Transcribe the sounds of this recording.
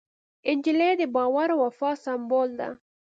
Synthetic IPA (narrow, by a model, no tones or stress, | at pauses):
ɪnd͡ʒiled̪əbɑwaɾwafɑsambold̪a̰